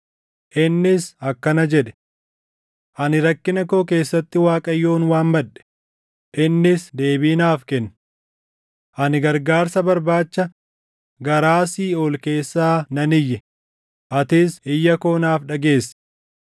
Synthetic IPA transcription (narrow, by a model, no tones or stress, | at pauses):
ʔɪnːɪsɐkːɐnɐd͡ʒɛᶑɛ̥ | ʔɐnɪɾɐkːɪnɐko̞ːk̬e̞ːsːɐt̪ːɪwaːkʼɐjːo̞ːnwaːmbɐᶑɛ̥ | ʔɪnːɪsd̪e̞ːbiːnaːfkɛn | ʔɐnɪɡɐɾɡaːɾsɐbɐɾbaːt͡ʃːɐ | ɡɐɾaːsiːoːlke̞ːsːaːnɐnɪjːɛ | ʔɐt̪ɪsɪjːɐko̞ːnaːfᶑɐɡe̞ːsː